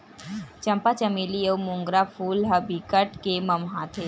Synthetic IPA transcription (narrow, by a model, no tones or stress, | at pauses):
t͡ʃɐmpat͡ʃɐmilijəwmũŋɡɾafʰuːlɦɐbikəʈkemɐmɦaːt̪ʰe